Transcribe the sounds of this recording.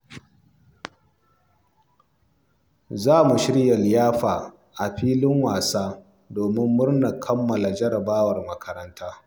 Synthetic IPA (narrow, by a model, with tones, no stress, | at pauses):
zaː˦mu˨ʃɪ˦ɽjɐ˨ljaː˦ɸaː˨ | ʔa˨ɸiː˦lɪ˦ŋwaː˨saː˦ | doː˨mɪ˦mːʊ˦rna˨kʰɐ˦mːɐ˨la˨d͡ʒɐ˦ɾɐ˨baː˦wɐ˨rmɐ˦kʰɐ˨ɾɐ˦ntaː˦